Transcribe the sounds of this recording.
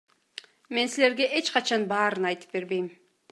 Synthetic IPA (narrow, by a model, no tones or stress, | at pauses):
me̞nsile̞ɾɡe̞ʔe̞t͡ʃqɑt͡ʃɑnbɑːɾɯnɑjt̪ɯ̥p̚be̞ɾbe̞jm